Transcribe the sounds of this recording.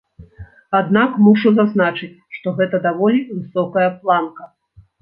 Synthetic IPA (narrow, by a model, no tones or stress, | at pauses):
ad̪nakmuʂuzaznat͡ʂɨt͡sʲʂt̪ɔɣɛt̪ɐd̪avɔlʲivɨsɔkɐjɐplˠankɐ